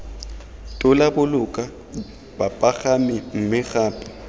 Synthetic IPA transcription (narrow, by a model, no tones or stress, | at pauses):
tʼʊlabʊlʊkʼa | bapʼaɣamɪŋ̩mɪɣaːpʼɪ̥